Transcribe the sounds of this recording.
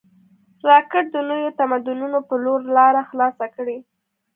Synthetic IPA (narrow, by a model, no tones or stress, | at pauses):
ɾɑkɪʈ̚d̪ənojot̪amad̪ʊnunopəloɾlɑɾaxlɑsakɽi